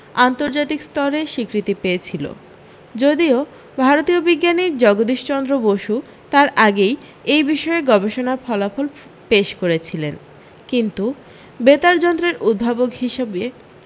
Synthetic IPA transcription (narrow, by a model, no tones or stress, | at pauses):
ant̪oɾd͡ʑat̪ikst̪ɔɾeʃikɾit̪ipeet͡ɕʰilo̰ | d͡ʑod̪io | bʱaɾot̪iobiɡːaniɾd͡ʑɔɡod̪iʃt͡ɕɔnd̪ɾoboʃu | t̪aɾaɡej | ejbiʃɔeɡɔbeʃonaɾfʰɔlafol | peʃkoɾet͡ɕʰilen | kint̪u | bet̪aɾd͡ʑɔnd̪ɾeɾud̪̚bʱabokɦiʃebe